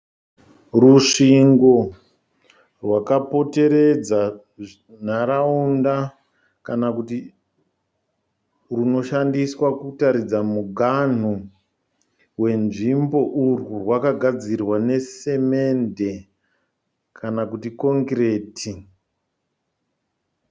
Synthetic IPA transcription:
ruʂiŋɡo̞ | rwakapo̞te̞ɾe̞d͡za | naɾaunda | kanakuti | runo̞ʃandiswakutaɾid͡zamuɡʱan̤u | we̞nʐimbo̞ʔururwakaɡʱad͡zirwane̞se̞me̞nde̞ | kʰanakutiko̞ŋkre̞ːtʰi

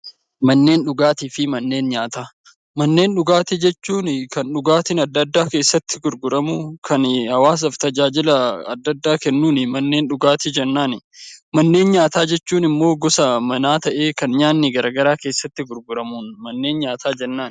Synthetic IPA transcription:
mɐnːe̞ːnᶑʊɡaːt̪iːfɪmɐnːe̞ːnɲaːt̪aː | mɐnːe̞ːnɗʊɡaːt̪ɪd͡ʒɛt͡ʃːuːnɪkɐnᶑʊɡaːt̪ɪnɐd̪ːɐd̪ːaːke̞ːsːɐt̪ːɪ̥ɡʊɾɡʊɾɐmʊkʰɐnhɐwaːs̬ɐft̪ɐd͡ʒaːd͡ʒɪlɐɐ̰d̪ːɐd̪ːaːkɛnːuːnɪmɐnːe̞ːnɗʊɡaːt̪ɪd͡ʒɛnːaːnɪmɐnːe̞ːnɲaːt̪aːd͡ʒɛt͡ʃːuːnɪmːo̞ːɡɔsɐmɐnaːt̪ɐʔe̞ːkɐnɲaːnːɪɡɐɾɐɡɐɾaːke̞ːsːɐt̪ːɪɡʊɾɡʊɾɐmuːnmɐnːe̞ːnɲaːt̪ʰaːd͡ʒɛnːaːn

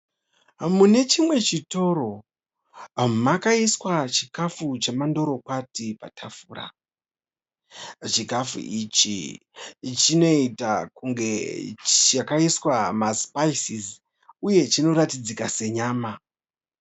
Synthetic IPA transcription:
mune̞t͡ʃimwe̞t͡ʃito̞ɾo̞ | makaiswat͡ʃikafut͡ʃamando̞ɾo̞kwatipa̰tʰafuːra̰ | t͡ʃikafṵʔit͡ʃḭ | t͡ʃino̞itakuŋɡe̞t͡ʃakaiswamaspaisiz | uje̞t͡ʃino̞ɾatid͡zikase̞ɲaːma

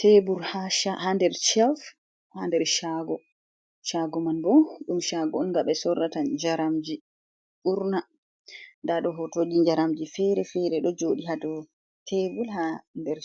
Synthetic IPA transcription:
tebulhaʃahandɛɾt͡ʃɛf | handɛɾʃaɡɔ | ʃaɡɔmanbɔɗumʃaɡɔunɡaɓɛsɔrːatad͡ʒaɾamd͡ʒi | ʔuɾna | ndaɗɔɦɔtoɗiɲd͡ʒaɾamd͡ʒifɛɾɛfɛɾɛɗɔd͡ʒoɗiɦadɔ | tʰebulhandɛɾ

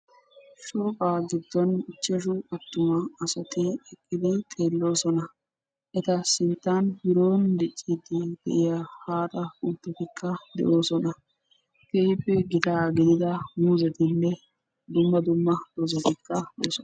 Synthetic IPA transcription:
ʃoːkʼaːɡɪd̪ːɔnɪt͡ʃːɛʃ̬ʊʔɐt̪ːʊmɐːsɐt̪ɪɛkʼːɪd̪ɪt̪ʼeːlːo̞ːsɔnɐ | ʔɛt̪ɐsɪnt̪ːanhɪɾoːnd̪ɪt͡ʃʼːid̪ɪd̪̥ɛ̰ʔɪjahaːt̪ɐʊt̪ːɛt̪ɪkʰːɐd̪ɛ̰ʔo̞ːsɔnɐ | kejpːɛɡɪt̪aːɡɪd̪ɪd̪ɐmuːzɛt̪ɪnːɛ | d̪ʊmːɐd̪ʊmːɐd̪̥ozɔt̪ɪkːɐd̪o̰ːsɔn

